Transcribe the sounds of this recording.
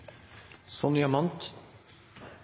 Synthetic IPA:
sɔnjɑmɑnt̪

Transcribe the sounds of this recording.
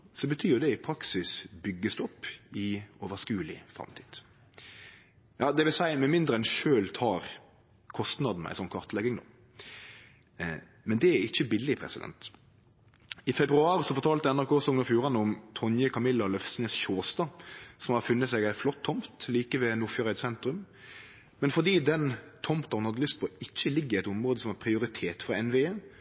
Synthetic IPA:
sɔbət̪ʰyːd̪ɛɪpʰɾɑksɪsbʏɡːəsd̪ʉɔpːɪoːʋəskʉːlɪ̰fɾɑ̰mt̪ʰiːd̪̥ | jɑːd̪ɛʋɪlsæɪmɛmɪnd̪ɾəɛnʃøːlt̪ʰɑːɾ | kʰɔst̪nɑd̪n̩æ̰ɪsɔnkʰɑɾt̪lɛɡɪŋd̪o̰ː | mɛnd̪ɛæɾɪçːəbɪlːɪpʰɾɛ̰sɪd̪ɛ̰nt̪ | ɪfɛbɾʉɑːɾsɔfɔɾt̪ʰɑːlt̪əɛnæɾkoːsɔŋnɑfjuːɾɑnəʊmt̪ʰɔnjəkʰɑmɪlːɑlœfsnɛsʃoːst̪ɑsɔmhɑfʉnːət̪sɛɡæɪflɔt̪ʰːɔmpt̪liːkəʋɛnuːføːɾəɪt̪sɛnt̪ɾʉm | mɛnfɔʁd̪iːd̪ɛnt̪ʰɔmpt̪ɑhʊnhɑd̪ːəlʏst̪̚pʰɔɪçːəlɪɡːəɾɪɛt̪ʊmʁoːd̪əsɔmhɑɾpʰɾɪʊɾɪt̪ʰeːt̪fʁɑɛnʋeen

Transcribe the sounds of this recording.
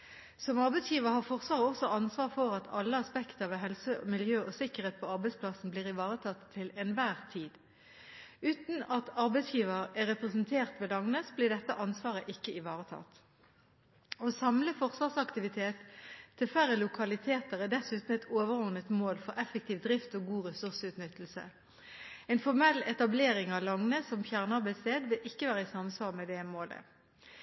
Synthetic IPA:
sɔmɑʁbɛɪsjiːʋəʁhɑːʁfɔʁsʋɑːʁəɔsɔʔɑnsʋɑːʁfɔʁɑt̪ʰɑlːəɑspɛkt̪əɑʋɦɛlsəmɪljøːʔɔsɪkəʁheːt̪̚pʰɔɑʁbɛɪspʰlɑsn̩bliːʁɪʋɑːʁət̪ʰɑt̪ʰːɪlɛnʋæːʁt̪ʰiːd̪ | ʉːt̪n̩ɑt̪ɑʁbɛɪsjiːʋəʁɛʁɛpʁɛsənt̪ʰeːʁt̪ʋɛlɑŋnesbliːɖ̪ɛt̪ːəʔɑnsʋɑːʁəʔɪkːəɪʋɑːʁət̪ʰɑ̰ːt̪ | osɑmləfɔʁsʋɑʁsɑkt̪ɪʋɪt̪ʰeːt̪ʰːɪlfæʁəlʊkʰɑlɪt̪ʰeːt̪əʁɛd̪ɛsʉːt̪n̩ɛt̪ʰoːʋəʁɔʁnət̪moːlfɔʁɛfək̚t̪iːʋd̪ʁɪft̪oːɡuːʁɛsʉʁsʉːt̪nʏt̪ːl̩sə̰ | ɛɪnfɔʁmɛlːɛt̪ɑbleːʁɪŋɑʋlɑŋnəsɔmfjæʁnəɑʁbæɪst̪eːd̪ʋɪlʔɪkːəʋæːʁəɪsɑmsʋɑːʁmɛd̪ɛmoːlə̰

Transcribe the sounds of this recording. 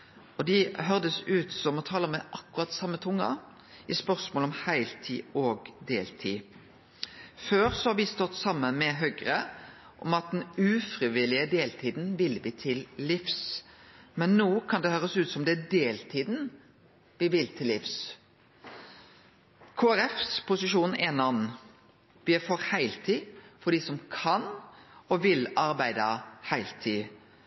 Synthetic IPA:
ɔd̪ɪɦœʁd̪əsʉːt̪sɔmɔt̪ʰɑːləmɛʔɑkːʉʁɑt̪sɑmːət̪ʰʊŋːɑ̰ | ʔɪspœʁsmoːlɔmhæɪlt̪ʰḭːɔːɡd̪eːlt̪ʰḭː | føːɾsɔhɑɾʋɪst̪ɔt̪ːsɑmːənmɛɦœɡɾə | ʔɔmɑt̪̚d̪ɛnʉːfɾɪʋɪlɪəd̪eːlt̪ʰiːd̪n̩ʋɪlʋɪːt̪ʰɪlːɪfs | mɛnːoːkʰɑnd̪ɛhøːʁɾəsʉːt̪sɔmd̪ɛd̪eːlt̪ʰiːd̪n̩ | ʋɪʋɪlt̪ʰɪlːɪfs | kʰoːæɾɛfspʰʊsɪʃuːnɛːnɑn | ʋɪæfɔːɾhæɪlt̪ʰiːfɔd̪iːsɔmkʰɑnɔʋɪlɑɾbæɪd̪əhæɪlt̪ʰiː

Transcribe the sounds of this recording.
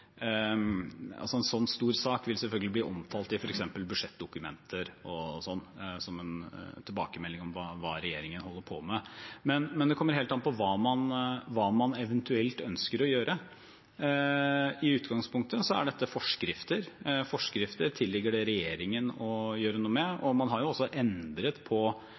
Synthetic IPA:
ɑ̰lsɔɛnsɔnːst̪uːɾsɑːkʋɪlsɛlfœlɡəlɪbliːʔɔmt̪ʰɑːlt̪ɪfɔɾɛksɛmpəlbʉʂɛt̪̚ːd̪ʊkʉmɛ̰nt̪ʰəɾɔsɔnːsɔmɛnt̪ʰɪlbɑ̰ːkəmɛlːɪŋɔmʋɑːʋɑ̰ːɾɛjeːɾɪŋənɦɔlːəɾpʰɔmɛmɛnmɛnd̪ɛkʰɔmːəɾheːlt̪ɑnpʰɔʋɑːmɑnʋɑːmɑnɛʋənt̪ʉɛlt̪œnskəɾɔjøːɾʔə | ɪʉːt̪ɡɑŋspʰʊŋk̚t̪əsɔæ̰ɖɛt̪ːəfɔʂkɾɪft̪əɾfɔʂkɾɪft̪əɾt̪ʰɪlːɪɡːəɖɛɾɛjeːɾɪŋənɔjøːɾənuːəmɛɔmɑnɦɑɾjʊɔsːɔʔɛnd̪ɾət̪pʰɔ

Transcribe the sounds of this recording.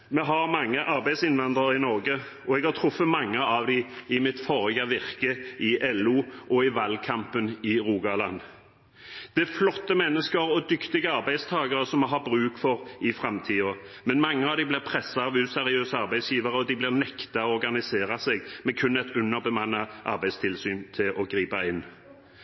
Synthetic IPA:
mɛɦɑɾmɑŋːəʔɑɾbæɪd̪sɪnʋɑnd̪ʁɑɾɪnɔɾɡə | ɔɛɡhɑɾt̪ʰɾʊfːəmɑŋːəɑʋd̪ɪɪmɪt̪fɔʁəɡəʋɪʁkəɪʔɛluːʔɔɪʋɑlkʰɑmpənɪɾuːɡɑlɑ̰n | d̪̥ɛflɔt̪ːəmɛnːəskəɾɔd̪ʏkt̪ɪɡəɑʁbæɪd̪st̪ʰɑːɡɑʁəsɔmɛɦɑbɾʉːkfɔʁɪfʁɑmt̪ʰiːɔmɛnmɑŋːəɑʋd̪ɪblɪʁpʰɾɛsːɑɑʋʉːsɛɾɪøːsəɑʁbæɪsjiːʋɑʁəɔd̪ɪblɪʁnɛkt̪ɑɔɔɾɡɑnɪseːɾɑseɡmɛkʰʉnɛt̪ʉnːəʁbəmɑnːɑʔɑ̰ɾbæɪd̪st̪ʰɪlsyːnt̪ʰɪlʔɔɡɾiːpɑɪnː

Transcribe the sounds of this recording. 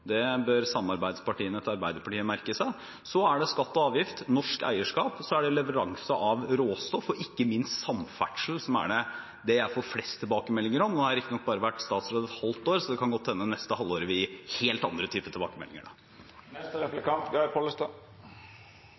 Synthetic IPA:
d̪ɛbøɾsɑmːɑɾbæɪd̪spʰɑʈiːənɛt̪ɑɾbæɪd̪əpʰɑʈiːəmæɾkəsæɪ | sɔæɖɛskɑt̪ːɔɑːʋjɪft̪nɔʂkæ̰ɪəʂkɑːpsɔæɖɛlɛʋəɾɑŋsəʔɑʋɾoːst̪ɔfːɔɪkːəmɪnst̪sɑmfæ̰ʈʂl̩sɔmæ̰ɖɛ | d̪ɛjæɪfɔɾflɛst̪ʰːɪlbɑːkəmɛlːɪŋəɾɔmɔd̪ɛhɑɾɪkt̪nɔk̚bɑːɾəʋæʈːst̪ɑːt̪sɾoːd̪ɛt̪hɑlt̪oːɾsɔd̪ɛkʰɑnɡɔt̪ʰːɛnːənɛst̪əhɑlːoːɾəʋɪɪheːlt̪ɑ̰nd̪ɾət̪ʰyːpət̪ʰɪlbɑ̰ːkəmɛ̰lɪŋə̰ɖɑ̰ | ɛst̪ɾɛflɛkɑnt̪ɡɑɪpʰoːləst̪ɑ

